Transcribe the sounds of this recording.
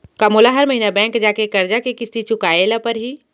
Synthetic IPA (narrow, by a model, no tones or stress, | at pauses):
kamoːlaɦɐɾmɐɦiːnabɛ̃ːŋkd͡ʒaːkekɐɾd͡ʒakekɪsit͡ʃʊkaːelapɐɾɦiː